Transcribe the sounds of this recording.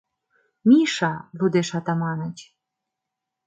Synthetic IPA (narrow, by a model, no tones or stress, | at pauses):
mʲiʃɑβud̪eʃɑt̪ɑmɑnət͡ɕʲ